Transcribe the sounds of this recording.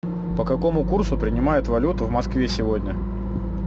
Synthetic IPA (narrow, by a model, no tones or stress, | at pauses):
pəkɐko̞mʊkursʊpɾʲɪnʲɪmajɪt̪vɐlʲut̪ʊvmɐskvʲesʲɪvodʲnʲə